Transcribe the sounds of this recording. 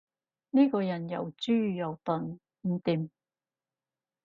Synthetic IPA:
ni˥kɔː˧jɐ˨˩njɐ̰˨˩wt͡syː˥˨jɐ˨˩wt̪ɔ˨n | m̩˨˧t̪i˨˧m

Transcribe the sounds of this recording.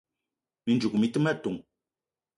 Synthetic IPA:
mi˨nd͡ʒu˨kmi˨˦tɨ˦mɛ˦˨tu˨ŋ

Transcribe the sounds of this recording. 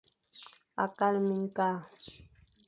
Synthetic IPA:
a̰˨ka˦lmi˨ŋ˦ka˦˨

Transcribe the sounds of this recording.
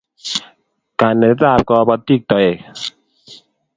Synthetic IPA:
ka˨nːe˨˦ta˦˨p̚kɔ˧bɔ˦ti˦˨k̚tɔ˨e˨

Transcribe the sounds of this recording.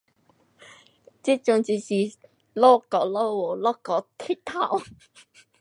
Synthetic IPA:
t͡si˦˥t͡ʃʊ˧ŋt͡si˧si˨ | lɔ˥kɔ˨˧lo˥wɔ˨lɔ˥kɔ˨˧˥t̪ʰi˥t̪ʰa˧˩w

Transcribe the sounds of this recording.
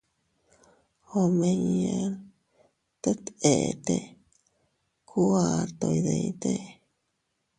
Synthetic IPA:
o˧me˧ɲe˧ɾ | t̪o˦t̪e˨t̪e˦ | kʰu˦a˨ɾt̪o˧i˧ðe˧˨jt̪e˦

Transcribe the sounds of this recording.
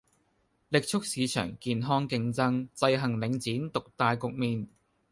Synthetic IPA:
lɪ˨k̚t͡ʃʰʊ˥k̚siː˨˧t͡ʃʰœ̰ː˨˩ŋkiː˨nɦɔː˥ŋkɪ˧ŋt͡sɐ˥ŋt͡sɐ˧jɦɐ˨˩ŋlɪ˨˥ŋt͡siː˨˥nt̪ʊ˨k̚t̪aː˨˧jkʊ˨k̚miː˨˩n

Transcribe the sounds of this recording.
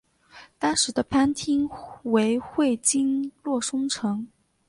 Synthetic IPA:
t̪ɑ˥ŋʂɻ̩˧˥d̪ə˧pʰa˥nt̪ʰi˥ŋwe˧˥ɪxwe˥˩ɪt͡ɕi˥nlwɔ˥˩ʂʊ˥ŋʈ͡ʂʰɤ˧˥ŋ

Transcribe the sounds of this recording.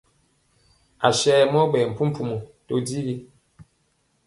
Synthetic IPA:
a˨ʃɛː˦˨mɔ˦bɛ˨m̩˨pu˦m˦pʰu˦˨mu˨to˦di˦ɣi˦

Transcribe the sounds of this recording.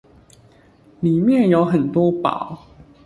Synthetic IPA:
li˨˩mjɛ˥˨njo˨˥ʊxə˨˩nt̪wɔ˥pɑ̰˨˦ʊ

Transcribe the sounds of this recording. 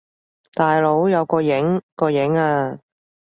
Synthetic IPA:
t̪aː˨jlo˨˥wjɐ˨˧wkɔː˧jɪ˨˥ŋkɔː˧jɪ˨˥ŋaː˧

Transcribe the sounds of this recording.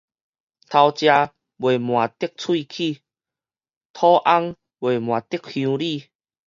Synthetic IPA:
t̪ʰa˧wt͡ɕja˧ | bwe˨˩mw̃ã˨˩t̪i˥˦k̚t͡sʰwi˥˧kʰi˥˧˨ | t̪ʰɔ˦ʔa˦ŋ | bwe˨˩mw̃ã˨˩t̪i˦˥k̚hjũ˧li˥˧˨

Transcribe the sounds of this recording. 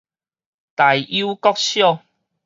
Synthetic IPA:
t̪a˨˩ju˦kɔ˦k̚ɕjɔ˥˧˨

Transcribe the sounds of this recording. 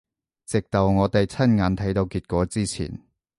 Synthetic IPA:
t͡sɪ˨k̚t̪ɐ˨wŋɔː˨˧t̪ɐ˨jt͡sʰɐ˥nŋaː˨˥nt̪ʰɐ˨˥jt̪o˧wkiː˧t̚kʷɔː˨˥t͡siː˥t͡sʰḭː˨˩n

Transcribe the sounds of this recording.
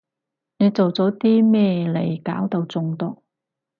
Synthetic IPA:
ne˨˧jt͡so˨wt͡sɔː˨˥t̪iː˥mɛː˥le˨˩jkaː˨˥wt̪ɐ˧wt͡sʊ˨˧ŋt̪ɔː˧˥

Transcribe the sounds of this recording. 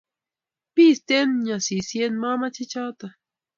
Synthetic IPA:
pi˦st̪e˦nɲa˨si˨sje˦nma˦ma˦t͡ʃi˦t͡ʃa˦wt̪a˨

